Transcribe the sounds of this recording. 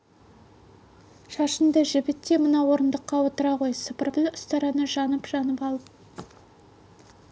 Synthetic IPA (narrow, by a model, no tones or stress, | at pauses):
ʃɑʃənd̪əʒɪbɪt̪ːe̞mənɑwo̞ɾənd̪əqːɑwo̞t̪əɾɑʁo̞jsəpəɾbɪlʊst̪ɑɾɑnəʒɑnəpʒ̥ɑnəpɑlˠəp̚